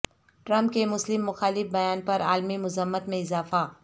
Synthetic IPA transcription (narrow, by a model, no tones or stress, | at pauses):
ʈɾə̃mpkemʊslɪmːʊxaːlɪfbɐjaːnpɐɾaːlmimʊzəmːət̪mẽɪzaːfa